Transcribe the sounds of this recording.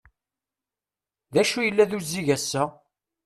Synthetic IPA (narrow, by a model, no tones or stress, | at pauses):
ðæʃujəlːæðuzːiʝæsːæ